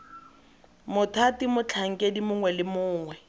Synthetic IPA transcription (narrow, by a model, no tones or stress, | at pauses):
mʊtʰatimʊt͡ɬʰaŋ̩kʼedimʊŋwɛlɪmʊːŋwɛ